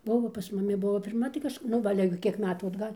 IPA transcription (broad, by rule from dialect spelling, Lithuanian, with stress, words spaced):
ˈbʊʋoː pɐs mʊˈmʲɪ ˈbʊʋoː pʲɪrˈmɐ tɐɪ kɐʃˈk nʊ ˈʋɐ ˈɑːlʲɛ ɡʲɪ ˈkʲiɛk ˈmʲæːtuː ɐdˈɡɐlʲ